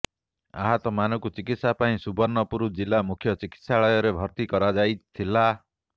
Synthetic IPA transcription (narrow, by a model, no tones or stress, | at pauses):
a̰ɦat̪ɔmanɔkut͡ʃikit̪sapaĩsubɔɾnɔpuɾud͡ʒilamukʰjɔt͡ʃiki̥t̪saɭɔjɔɾebʱɔɾt̪ikɔɾad͡ʒajt̪ʰila